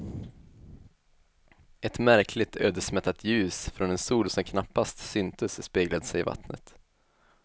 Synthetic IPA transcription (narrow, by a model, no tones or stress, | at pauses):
ɛt̪mæɾkʰlɪt̪ʰøːd̪əʂmɛt̪ːat̪ʰjʉ̟ːsfɾɔnɛnst̪uːlsɔmkʰnapːast̪sʏnt̪əsspeːɡlad̪əsɛjɪva̰t̪nə̰t̪